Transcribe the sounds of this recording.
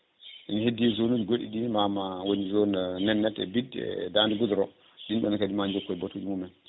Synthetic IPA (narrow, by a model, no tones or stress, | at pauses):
ʔinihedːizonud͡ʒɡoɗḭɗimamawonizonanɛnːɛtɛ̰bid̰dandiɡudɾɔ | ɗinɓɛnakadimaɲd͡ʒokːɔbatːuɗimumɛn